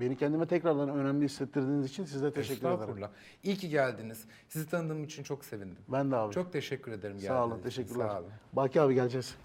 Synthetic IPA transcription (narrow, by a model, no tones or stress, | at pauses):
be̞nicʰɛnd̪imɛt̪ʰɛcɾaɾd̪anø̞næmlʲiislɛt̪ʰːiɾd̪iːnizit͡ʃʰinsizd̪ɛt̪ʰeʃɛcʲːyɾed̪aɾɾlˠa | ilʲcʰiɟælʲd̪iniz̥ | sizit̪ʰanɯd̪ɯmit͡ʃʰint͡ʃʰo̞kse̞vind̪imbænd̪aːvt͡ʃʰo̞k̚t̪ʰe̞ʃɛcʰːyɾe̞d̪e̞ɾimɟsæsaːlˠɯt̪ʰe̞ʃɛcʲːyɾlʲæɾibaːcʰiaːbiɟælʲd͡ʒɛs